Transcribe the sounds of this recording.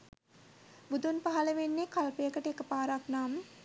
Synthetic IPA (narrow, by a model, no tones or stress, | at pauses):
bud̪unpaɦaləʋenːekalpejəkəʈəekəpaːɾaknaːmə